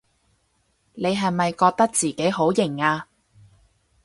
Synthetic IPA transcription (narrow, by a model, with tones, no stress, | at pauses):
ne˨˧jɦɐ˨jmɐ˨jkɔː˧k̚t̪ɐ˥k̚t͡siː˨ke˨˥jho˨˥wjɪ˨˩ŋaː˧